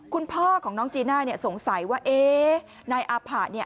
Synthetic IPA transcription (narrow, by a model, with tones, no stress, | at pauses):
kʰu˧npʰɔː˥˩kʰɔː˩˦ŋnɔː˦˥ŋt͡ɕiː˧naː˥˩ni˥˩ɐso˨˩˦ŋsa˩˦jwaː˥˩ʔeː˧ | naː˧jʔaː˧pʰaː˨˩t̪̚ni˥˩ə